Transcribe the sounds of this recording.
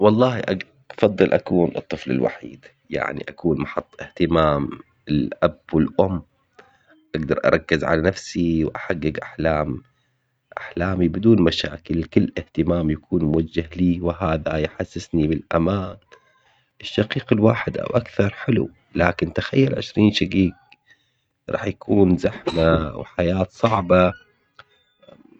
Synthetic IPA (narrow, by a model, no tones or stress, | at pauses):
wɑlˤːɑːhiʔa | fɑd̪ˤːɨlʔa̰kuːnʔɨ̰t̪ˤːɨflɪ̰lwa̰ħḭːd̪̥ | ja̰ʕnḭʔakuːnmɑħɑt̪ˤːʔɪht̪ɪmaːm | ɪlʔabwɪlʔʊmː | ʔaɡd̪ɑɾˤʔɑ̰ɾˤɑkːɪzʕa̰lanafsiwʔaħaɡːɪɡʔaħlaːm | ʔaħlaːmibɪd̪uːnmaʃa̰ːkɪlkɪlːʔɪht̪ɪmaːmjakʰuːnmʊwad͡ʒːahliːwɪɦaːðajħasːɪsnibɪlʔa̰maːn | ʔɪʃːaqiːqɪlwaːħɪd̪ʔa̰wʔakθɑɾˤħɪlṵ | laːkɪnt̪axajːalʕɪ̰ʃɾiːnʃaɡiːɡ̚ | ɾˤʔɑ̰ːħjakʰuːnzaħmawħajaːt̪sˤɑʕba